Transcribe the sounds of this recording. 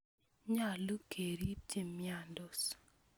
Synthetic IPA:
ɲa˦˨lu˦kʰe˨ɾi˦ti˦˨mja˨ndɔ˨s

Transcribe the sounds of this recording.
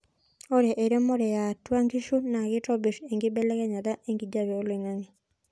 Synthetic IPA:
o˦ɾɛ˨ʔe˨ɾe˦mo˦ɾɛ˨ja˨twa˦ŋɡi˦ʃu˦na˨ɣɪ˦tɔ˦bi˨ɾe˨ŋɡɪ˦bɛ˦lɛ˦kɛ˦ɲa˨ða˦ʔe˦ŋɡi˨d͡ʒa˦βɛ˨o˦lwe˨ŋa˦ŋi˨

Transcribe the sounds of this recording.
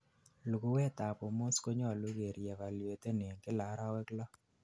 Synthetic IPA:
lu˨ku˨wɛ˦ta˨po˨mo˦sko˦ɲɔ˦˨lʊ˦ɡe˨ɾjɛ˨va˨le˨t̪e˦ne˨ŋkɪ˦la˨˦ɾa˦wɛ˦klɔ˦

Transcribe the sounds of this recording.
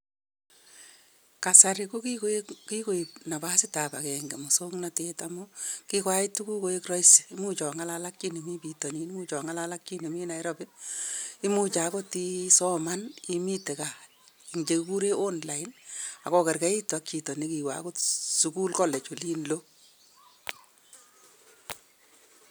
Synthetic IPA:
ka˨sa˨ɾɪ˨ko˦kiki˦ko˨i˨pna˨ba˦sɪ˦ta˨pa˨kɛ˨ŋɡe˨mʊ˨so˦ŋnatetamʊkikwa˦ɪ˦tːu˦ku˦ko˨e˦krɔ˦isi̥˨i˦mu˦t͡ʃɔ˨ŋa˦lala˦kt͡ʃi˦ni˨mi˦pi˨tɔ˨ni˨˦n˦mu˦t͡ʃɔ˨ŋa˦la˦la˦kt͡ʃi˦ni˨mi˦na˨jɾɔ˦pɪ˦ | i˦mu˦t͡ʃa˨˦ko˦ti˦sɔ˦ma˦ni˦mi˦te˨ka˨ | i˨ŋt͡ʃe˨kku˦ɾe˦ʔo˦nla˨ɪ˦na˨kɔ˦kɛ˨rka˦i˦ta˨kt͡ʃi˨tɔ˨ni˦ki˨wa̰˦ko˦tsuku˦lkɔ˦lɛ˨t͡ʃo˨li˦nlo˦

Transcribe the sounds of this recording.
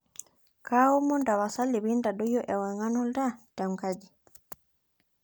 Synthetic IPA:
kʰa˦u˦mɔ˦nda˨βa˨sa˦li˨βi˦nda˨ɗɔ˦jɔ˦ʔɛ˨wɛ˨ŋa˦nɔ˦lda˦ta˨m˨ka˦d͡ʒi˨

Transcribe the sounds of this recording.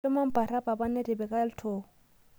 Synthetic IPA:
ɪ˦ma˦m̩˦pʼa˨ɾa˦pa˨ba˦nɛ˦dɪ˨bɛ˨kʼa˦ltʰoː˨

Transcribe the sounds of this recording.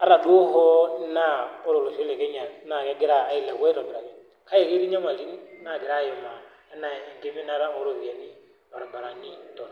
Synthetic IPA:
a˦ɾa˨do˦ɦɔ˦na˦ɔ˦ɾo˨lo˨ʃe˦lɛ˨kɛ˦ɲa˨˦na˨ɛ˨˦ɡɛ˦ɾaː˨˦i˨la˨wɛ˦ɾɔ˨bɛ˨ɾa˨kɛ˨ | ka˦e˨ke˦ɾi˦ɲa˦ma˨li˦n˦na˦˨ɡɪ˨ɾa˦˨jɛ˨ma˨ | ɛ˦na˨ɡe˦mi˦na˦ɾa˦ɔ˦ɾo˨βi˨ɛ˨ni˨ | ba˨ɾɔ˨mba˨ɾa˨ni˦tɔ˨n˨

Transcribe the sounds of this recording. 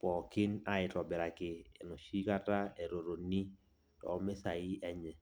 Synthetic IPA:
pɔ˨kɪ˦na˦ɪ˨tɔ˨bɛ˨ɾa˨kɪː˨no˨ʃi˦ka˦ta˦e˨ɾo˨ɾo˨ni˦ | tɔ̰˨˦mɛ˦sa˨i˦ɛ˦ɲɛ˨

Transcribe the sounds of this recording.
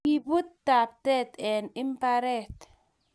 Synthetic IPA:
i˨bu˦tːa˨p̚tɛ˦t̪ɛ˨nɪ˦m˦pa˦ɾɛ˦˨t

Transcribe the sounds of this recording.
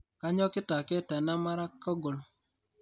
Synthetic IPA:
ka˦ɲɔ˦kɪ˦ta˨kɛ˦tɛ˨na˦ma˦ɾa˦kɔ˦ɡo˨l

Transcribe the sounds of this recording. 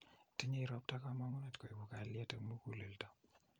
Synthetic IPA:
ti˦ɲe˦iɾɔ˦p̚ta˦ka˦ma˦ŋɔ˦na˨tko˨jbu˨ka˨lja˦ta˨mu˦ku˨le˨lta˦

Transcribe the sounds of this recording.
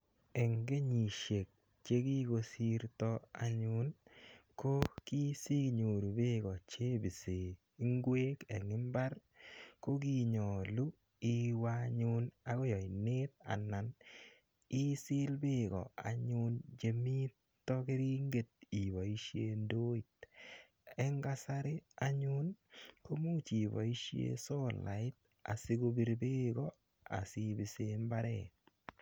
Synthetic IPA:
e˨ŋɡe˦ɲi˨ʃe˨k̚ | t͡ʃe˦ki˦ko˧si˦ɾt̪ɔ˦a̰˨ɲʊ˦nko˦ki˦si˦kɲo˨ɾu˨bɪ˦ɡɔ˨t͡ʃe˦bi˨se˨ | i˦ŋɡwe˦ke˨ŋɪ˦mba˦ɾ | ko˦ɡi˦˨ɲɔ˨lu˦ | i˦wa˦ɲʊ˦na˨ɡɔ˦jɔ˨i˨ne˦t̪̚a̰˨na˨n | i˦sɪ˦lbɪ˦ɡɔ̰˨a̰˨ɲʊnd͡ʒe˨mi˦tː | ɔ˦ki˦ɾi˦ŋɡe˨t̪̚i˨ba˨i˦ʃe˦ndo˦i˨t | ɛ˦ŋɡa˦sa˦ɾe˦a˦ɲʊ˦nko˦mu˦t͡ʃi˨ba̰˨i˦ʃḛ˦sɔ˦la̰˨ɪ˦t̪̚ | a̰˨si˦ɡo˦bi˦ɾbɪ˦ɡɔ˦ | a̰˨si˦bi˨se˦mba˦ɾɛ̰˨

